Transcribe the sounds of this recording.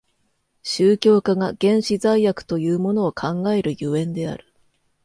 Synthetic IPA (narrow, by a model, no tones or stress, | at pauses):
ɕɨːkʲo̞ːkaɡaɡ̥ẽ̞ɰ̃ɕizaijakɯ̟̥t̪o̞jɯ̟ːmo̞no̞ːkʰãŋɡae̞ɾɯ̟jɯẽ̞nd̪e̞a̰ɾɯ̟̥